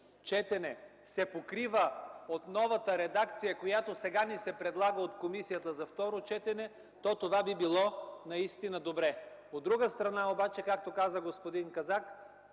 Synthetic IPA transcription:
t͡ʃɛt̪ɛnɛsɛpokɾivəot̪nɔvɐt̪əɾɛd̪akt̪sijəkojat̪osɛɡanisɛpɾɛd̪lˠaɡəot̪komisijət̪əzɐft̪ɔɾot͡ʃɛt̪ɛnɛ | t̪ɔt̪ovabibilˠɔnɐist̪inəd̪obɾɛod̪ːɾuɡəst̪ɾɐnaobat͡ʃɛkak̚t̪okazəɡospod̪inkɐzak

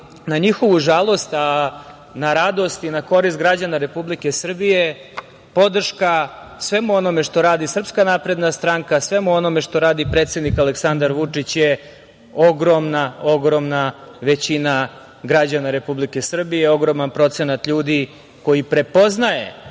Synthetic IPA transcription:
naɲixo̞ʋuʒalˠo̞st̪a | naɾad̪o̞st̪inako̞ɾist̪̚ɡɾad͡ʑanaɾe̞publike̞sr̩bije̞ | po̞d̪r̩ʃka | sʋe̞muo̞no̞me̞ʂt̪o̞ɾaːd̪isr̩pskanaːpɾe̞d̪nast̪ɾaŋkasʋe̞muo̞no̞meʂt̪o̞ɾaːd̪ipɾe̞ːt̪se̞d̪nikaleksand̪aɾʋut͡ʂit͡ɕje | o̞ɡɾo̞mnaoɡɾo̞mnaʋe̞t͡ɕina | ɡɾad͡ʑanaɾe̞publike̞sr̩bijeo̞ɡɾo̞manpɾo̞t̪se̞nat̪ʎuːd̪i | ko̞jipɾe̞po̞znaje̞̰

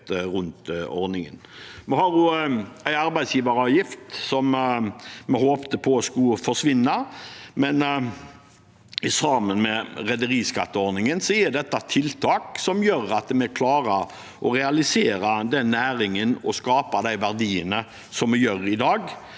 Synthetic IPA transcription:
ɾʉnt̪ɔ̰ɾnɪŋə̰nmɛhɑɾjʊæɪɑɾbæɪd̪sjiːʋɑɾɑːʋjɪft̪sɔm | mɛhoːpt̪əpʰɔskʉfɔʂʋɪnːɑmɛn | ɪsɑmənmɛʁɛd̪əɾiːskɑ̰t̪ːəɔɾnɪŋənsɔjɛd̪ɛt̪ːɑt̪ʰɪlt̪ʰɑːksɔmjøːɾɑt̪mɛɛkʰlɑːɾə | ʔɔʁɛɑlɪseːɾɑd̪ɛnːæːɾɪŋənɔskɑːpɑd̪æɪʋæʁd̪iːənə | sɔmːɛjøːɾɪd̪ɑːɡ

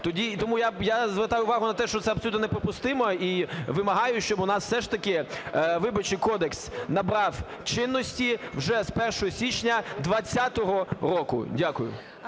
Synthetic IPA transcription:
t̪ɔdʲit̪ɔmujajazʋert̪ɑjʊʊʋɑɦʊnɐt̪ɛʃt͡ʃɔt̪sɛɐbsɔlut̪nɔnɛpɾɔpʊst̪ɪmɔiʋɪmɐɦɑjʊʃt͡ʃɔbnɑsw̥sɛʃt̪ɐkɪʋɪbɐt͡ʃɪjkɔd̪eksnɐbɾɑwt͡ʃɪnːɔsʲtʲiwʒɛspɛrʃɔɦɔsʲit͡ʃnʲɐd̪ʋɐt͡sʲːat̪ɔɦɔɾɔkʊ̰dʲakʊjʊ̰

